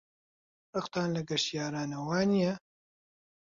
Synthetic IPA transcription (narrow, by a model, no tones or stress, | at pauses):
rɨqt̪aːnlɐɡɐʃijaːɾaːnɐwaːnijɛ